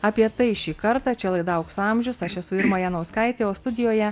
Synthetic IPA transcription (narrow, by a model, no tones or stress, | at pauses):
ɑːpʲiɛt̪ɐɪʃʲiːkɐɾt̪ɑːt͡ʃʲɛlˠɐɪd̪ɐʊksʊɑmʲʒʲʊsɐʃɛsʊɪɾmoːjɛnɐʊskɐɪt̪ʲeːoːst̪ʊd̪ʲɪjoːjɛ